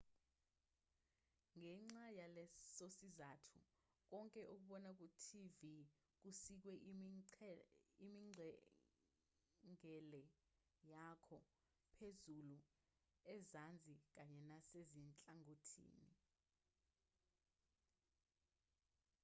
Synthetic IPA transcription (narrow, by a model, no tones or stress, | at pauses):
ŋɛŋ͡ǀajalɛsosizatʰu | k̬ɔŋkʼɛʔuk̬uɓɔnak̬utʰivi | k̬usik̬wɛʔ | imiŋ͡ǀʱɛ | ŋɛlɛ | jakʰɔ | pʰezulu | ɛzand͡zʱik̬aɲɛnasezint͡ɬʼaŋotʰḭːni